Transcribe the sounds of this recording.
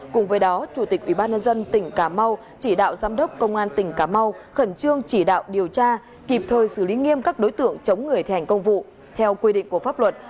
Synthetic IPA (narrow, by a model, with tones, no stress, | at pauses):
kʊ˨˩ŋ͡mvəː˨˦jɗɔ˨˦t͡ɕu˧˩t̪i˨˩k̚ʔwi˧˩ɓaː˧nɲə˧nzə˧nt̪ï˧˩ŋ̟kaː˧˩ma˧w | t͡ɕi˧˩ɗa̰ː˧˨wzaː˨˦mɗə˦˥wk͡p̚kə˧wŋ͡mʔaː˧nt̪ï˧˩ŋ̟kaː˧˩ma˧wxə˧˩nt͡ɕɨ˧əŋt͡ɕi˧˩ɗa̰ː˧˨wɗi˨˩əwt͡ɕaː˧ | ki˨˩p̚t̪ʰəː˨˩jsɨ˧˩li˨˦ŋi˧əmkaː˦˥k̚ɗo˨˦jt̪ɨ̰˧˨əŋt͡ɕə˨˦wŋ͡mŋɨ˨˩əjt̪ʰha˨˩ŋ̟kə˧wŋ͡mvṵ˧˨ | t̪ʰɛ˧wkwi˧ɗḭ˧˨ŋ̟ku˧˩əfaː˦˥p̚lwə˨˩t̚